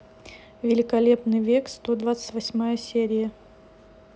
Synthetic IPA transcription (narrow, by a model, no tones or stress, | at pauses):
vʲɪlʲɪkɐlʲepnɨjvʲekst̪od̪vat̪sə̥tʲvɐsʲmajəsʲeɾʲɪjə